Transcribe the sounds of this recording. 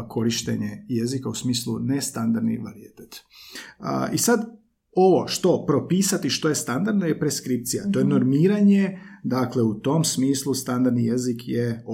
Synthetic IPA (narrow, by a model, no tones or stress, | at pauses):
kʰo̞ɾiʃt̪ḛɲeje̞zikausmiːslˠunest̪and̪aɾd̪nḭʋaɾijet̪et̪ | isad̪ | o̞ʋo̞ʃt̪o̞pɾo̞piːsat̪iʃt̪o̞jest̪and̪aɾd̪nojepɾe̞skɾip̚t̪sijat̪o̞jeno̞ɾmiːɾaɲe̞d̪akle̞ut̪o̞msmiːslˠust̪and̪aɾd̪nije̞zikje